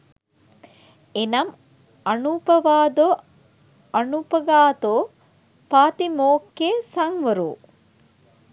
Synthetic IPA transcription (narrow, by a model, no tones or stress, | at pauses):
enɐm | ɐnupɐʋaːd̪o | ɐnupɐɡaːt̪oː | paːt̪imoːkːeːsɐŋʋəɾṵː